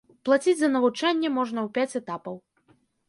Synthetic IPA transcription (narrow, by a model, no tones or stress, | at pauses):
plˠat͡sʲid͡zʲzɐnɐvut͡ʂanʲːɛmɔʐn̪ɐwpʲat͡sʲɛt̪apɐw